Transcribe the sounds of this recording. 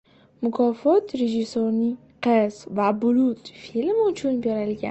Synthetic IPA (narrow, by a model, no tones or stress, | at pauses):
mʊkʰɒfɒt̪ɾeʒɪsoni | qʰezvabʊlut̪filmʊmt͡ʃʰʊnbjaɾalɪɡʲa̰n